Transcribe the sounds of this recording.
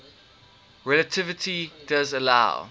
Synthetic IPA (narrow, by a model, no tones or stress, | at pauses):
ɹɛlətʰɪvɪtʰid̥azəlaʊ